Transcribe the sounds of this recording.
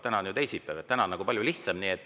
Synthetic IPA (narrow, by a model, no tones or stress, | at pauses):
t̪ænɑnjut̪e̞jsit̪ːˑɑvet̪t̪ːænɑnɑɡupɑljuliht̪sɑmniːe̞t̪ː